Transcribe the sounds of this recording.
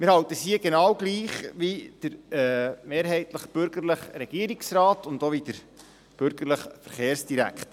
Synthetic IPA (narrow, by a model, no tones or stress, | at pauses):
mɪɾhɑwtəsiəɡenɑwɡliːχʋid̥əɾɛmeːɾɦɛɪtləχb̥ʏɾɡəɾləχrɛɡ̥iəɾiksrɑːtʊndoʋidəɾ | b̥ʏɾɡ̥əɾləχfəɾχeːɾsd̥iɾæ̰kχt